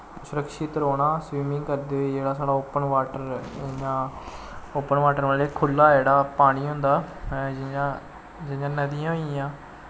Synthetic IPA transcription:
sʊɾəkʃiːt̪ɾoːɳaːsʋiːmɪ̃ŋkəɾd̪eːiːd͡ʒeːɽaːsaːɽaːoːpənʋaːʈəɾjãː | oːpənʋaːʈəɾʋaːleːkʰʊlːaːd͡ʒeːɽaːpaːɽ̃iːɦʊ̃nd̪aː | ã | d͡ʒɪjãːnəd̪ĩãːɦoiãː

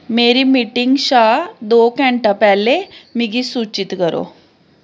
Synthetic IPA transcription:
meɾimiʈiŋɡɕad̪okɛ̃ɳʈapɛlemiɡisut͡ɕit̪kəɾo̰

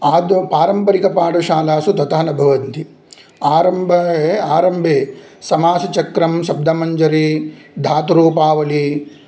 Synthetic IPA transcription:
aːd̪paːɾɐmpɐɾikɐpaːʈɐʃaːlaːsut̪ɐt̪ɐɦɐnɐbʱɐʋɐnt̪i | aːɾɐmbʱɐaːɾɐmbʱeː | sɐmaːsɐt͡ʃɐkɾɐmsɐb̚d̪ʱɐmɐɲd͡ʒɐɾid̪ʱaːt̪uɾuːpaːʋɐli

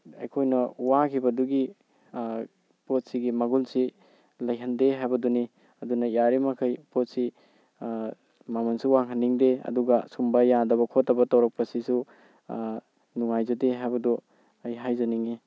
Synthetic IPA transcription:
ɐ̰jkʰojnɐwakʰibɐduɡi | pot̚siɡimɐɡulsi | lɐjɦɐndeɦajbɐdɔni | ɐdunɐjaɾimɐkʰɐjpot̚si | mamɐnsuwaŋɦɐnːiŋdeɐ̰duɡɐsumbɐjadɐbɐkʰotːɐbɐtɐwɾɐk̚pɐsisu | nuŋajzodeɦajbɐdɔ | ɐjɦajzaniŋi

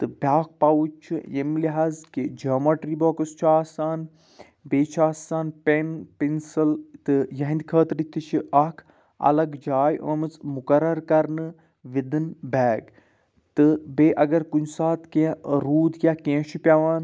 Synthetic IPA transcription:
t̪ɨbʱʲjaːk̚pawut͡ʃʰɨjemliɦaːzked͡ʒɐːmɐʈɾiːboːkɐst͡ʃʰaːsaːn | beːt͡ʃʰaːsaːnpenpinsɐlt̪ɨjɐɦind̪ʲkʰəːt̪ɾit̪ʰʲːit͡ʃʰiʔɐkʰ | ɐ̰lɐɡd͡ʒaːjʔo̰ːmɨt͡smukɐɾɐɾkɐɾnɨ | ʋid̪ɨnbɛːɡ | t̪ɨbeʔɐɡɐɾkunsaːt̪kẽɾuːd̪jakẽːʃʰipʲjaʋaːn

